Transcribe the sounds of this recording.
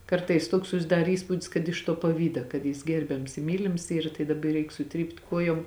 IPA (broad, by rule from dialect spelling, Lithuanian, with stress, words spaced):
ˈkɐrtɐɪs ˈtuɔks sʊsʲɪˈdɐr ˈiːspuːdʲɪs kɐt ɪʃ tuɔ pɐˈʋʲiːdɐ kɐt ˈjɪs ˈɡʲɛrʲbʲɛms ɪ ˈmʲiːlʲɪms ˈiːrɐ tɐɪ dɐˈbɐ jiː ˈrʲɛɪk sʊˈtʲrʲiːpt ˈkuɔjoːm